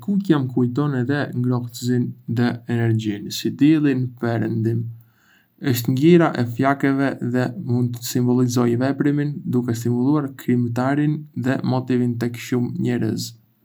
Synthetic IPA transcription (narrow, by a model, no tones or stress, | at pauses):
kukjamkujt̪ɔnɛðɛŋɡɾɔht̪əzinðɛɛnɛɾd͡ʑinsid̪ilˠinpɛɾənd̪im | əʃt̪ɲɡiɾaʔɛfjakɛvɛðɛmund̪̚t̪əsimbɔlˠizɔjvɛpɾimind̪ukɛst̪imulˠuaɾkɾimt̪aɾinðɛmɔt̪ivint̪ɛkʃumɲɛɾə̰z